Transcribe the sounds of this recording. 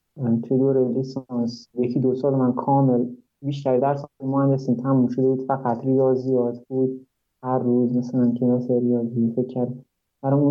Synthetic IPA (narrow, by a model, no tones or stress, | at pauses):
t̪ʰujed̪oɾelisɑnsjecʰiːd̪osɒːlmænkʰɒːmel | biːʃt̪ʰæɾid̪æɾsɒːlimɔːhænd̪esiːmt̪ʰæmːumʃod̪ebuːd̪̥fæɡæt̪ʰɾijɒːzijɒːt̪ʰb̥uːd̪̚ | hæɾːuːzmasælænkʰenæseɾijɒːzijefecʰːæɾd̪ | d̪̥æɾɔmũ